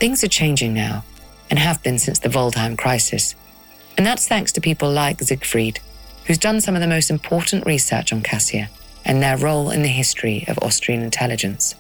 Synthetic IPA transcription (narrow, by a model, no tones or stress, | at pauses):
θɪ̃ŋzə˞t͡ʃʰẽɪ̃nd͡ʒɪ̃ŋnaʊ | ɨ̃nɨvbɨ̃nsɪ̃nsðɨvoʊlˠtʰãɪ̃mkʰɹ̥aɪsɨs | ɨ̃nðətsθæ̃ŋkstʰɨpʰipəlˠlaɪkzɪɡfɹid̥hʉzdʌ̃nsʌ̃mʌvðəmoʊstm̩pʰɔɹʔn̩ʔɹisɜ̰˞t͡ʃn̩kʰæsiɨ | ʔɨ̰̃nðə˞ɹoʊlˠɪ̰̃nðɨɦɪstɹ̥iʌ̰vɔ̰stɹ̥iɨ̃nɨ̃ntʰɛlˠɨd͡ʒɨ̃ns